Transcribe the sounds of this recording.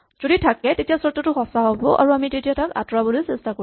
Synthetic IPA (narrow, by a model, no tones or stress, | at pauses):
z̥oditʰakɛtetijasɔtːɔtʊxɔsaɦobɔ̰ʔa̰ɹuamitetiataka̰tɹabɔlojsɛstako